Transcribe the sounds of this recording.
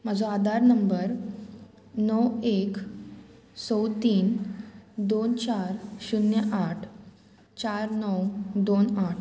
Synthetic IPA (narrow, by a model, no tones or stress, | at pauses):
m̤ad͡zõad̪aɾnəmbəɾ | nɔwek | sɔwt̪iːn | d̪ont͡ɕaɾɕunjəʔaʈʰ | t͡ɕaɾnɔwd̪onaʈʰ